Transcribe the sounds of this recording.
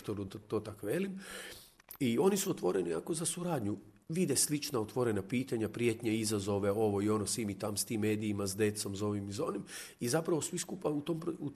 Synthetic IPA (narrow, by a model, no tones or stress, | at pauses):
t̪oɾut̪oːt̪akʋe̞lim | io̞nisuot̪ʋo̞ɾe̞niako̞zasuɾaːd̪ɲu | ʋid̪eslit͡ʃnaot̪ʋo̞ɾe̞napiːt̪aɲapɾje̞t̪ɲaizazo̞ʋe̞o̞ʋo̞io̞nosʋimit̪amst̪imːe̞ːd̪iːmasd̪e̞t̪so̞mzo̞ʋimizo̞nim | izapɾaʋosʋiskupaut̪ompɾu